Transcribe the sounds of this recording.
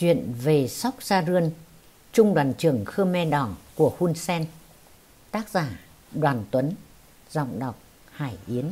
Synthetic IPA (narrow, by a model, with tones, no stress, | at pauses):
t͡ɕwḭ˧˨ənve˨˩sa˦˥wk͡p̚saː˧zɨ˧ən | t͡ɕʊ˧ŋ͡mɗwaː˨˩nt͡ɕɨ˨˧˩əŋxɨ˧mɛ˧ɗɔ˧˩nku˧˩əxu˧nsɛ˧n | t̪aː˦˥k̚zaː˧˩ | ɗwaː˨˩nt̪wə˨˦n | zɔ̰˧˨wŋ͡mɗa˨˩wk͡p̚ | haː˧˩jʔi˨˦ən